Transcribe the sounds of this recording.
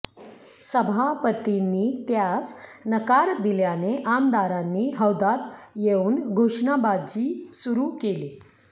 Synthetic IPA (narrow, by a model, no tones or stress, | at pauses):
səbʱapət̪inːiːt̪jasnəkaɾd̪iljaneʔamd̪aɾanːiɦəwd̪at̪jeuːnɡʱuʂɳabad͡ʑiːsuɾukeliː